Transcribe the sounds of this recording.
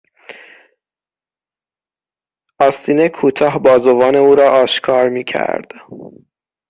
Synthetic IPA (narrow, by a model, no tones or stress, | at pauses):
ʔɒːst̪iːnekʰuːt̪ʰɒːɦbɒːzovɒːne̞uːɾɒːʔɒːʃkʰɒːɾmiːcʰæ̰ɾd̪̥